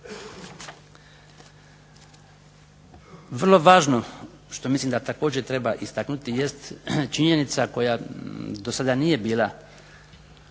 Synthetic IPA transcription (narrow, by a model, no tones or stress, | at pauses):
ʋr̩lˠo̞ʋaːʒno̞ | ʃt̪o̞mislimd̪at̪ako̞ːd͡ʑet̪ɾe̞baʔist̪aknut̪ije̞st̪t͡ʃiɲe̞nit̪sako̞jad̪o̞sad̪anije̞biːlˠa